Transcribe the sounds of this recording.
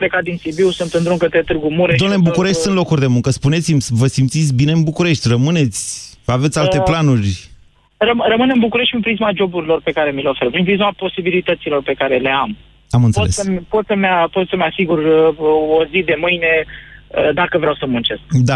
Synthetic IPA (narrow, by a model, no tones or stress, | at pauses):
ple̞kat̪̚d̪insibiwsunt̪ɨnd̪ɾuŋkət̪et̪ɨrɡumuɾded̪onlebukuɾe̞ʃt̪ʲsunt̪lo̞kurʲd̪e̞muŋkəspune̞t̪simsvəsimt̪sit̪sʲbine̞ɨnbukuɾe̞ʃt̪ʲrəmɨne̞t̪sʲave̞t̪sʲalt̪e̞planurʲ | rəmrəmɨnɨnbukuɾe̞ʃt̪pinmpɾizmad͡ʒo̞buɾilo̞rpe̞kaɾe̞mileo̞feɾpɾimpɾizmapo̞sibilit̪ət̪silo̞rpe̞kaɾe̞le̞am | amɨnt̪speotesəmpo̞t̪səmapot̪səmeasiɡurəozid̪e̞mɨjne̞əd̪akəvɾeawsəmunt͡ʃe̞skd̪a